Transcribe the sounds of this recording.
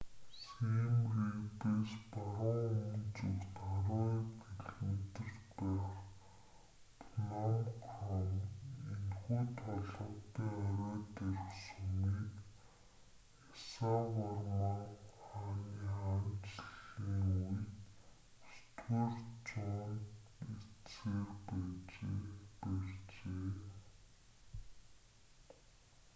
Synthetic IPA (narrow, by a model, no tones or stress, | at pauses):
semripeːspaɾʊŋujnt͡sukt̪aɾʊːkeɮmet̪ɘ̆r̥t̪pæːχχ | pʰɮɔmkʰrɔŋenxuːt̪ʰɔɮʁɞ̆t̪ːæːɔɾɔːt̪eɾxsumiːk | asawʊrməŋχaːniːχant͡ɕɮiːŋujt̪ | st̪wə̆rt͡ɕʰʊnt̪et͡seːrpæt͡ɕepæt͡ɕeː